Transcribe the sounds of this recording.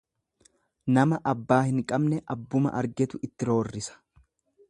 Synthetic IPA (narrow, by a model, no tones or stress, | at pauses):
nɐmɐʔɐbːaːhɪŋkʼɐbnɛʔɐbːʊmɐ̰ʔɐɾɡɛt̪ʊʔɪt̪ːɪɾo̞ːrːɪsɐ̥